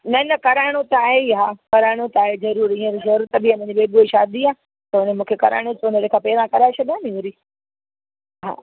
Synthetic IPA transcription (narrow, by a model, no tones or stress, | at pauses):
nɐnɐkɐɾaːɪɽ̃ot̪ɐaːɦeɦaːkɐɾaːɪɽ̃ot̪aːɦezɐɾuːɾĩːẽɾizɐɾuːɾt̪ɐbiɐm̤ẽd͡ʑibeːɡueʃaːd̪iaː | t̪ɐʊnemũːkʰekɐɾa̰ːɪɽ̃osoneɾekʰãːpɛːɾãkɐɾaːɪsʰɐd̪iãːnĩuɾi | ɦa̰ː